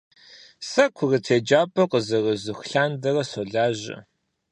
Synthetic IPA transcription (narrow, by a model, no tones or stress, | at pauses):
sɐkʷʰʊrɨtʰeːd͡ʒaːpʼɐqəzɐrɨzɨxɬaːndɐrɐsoɮaːʑɐ̰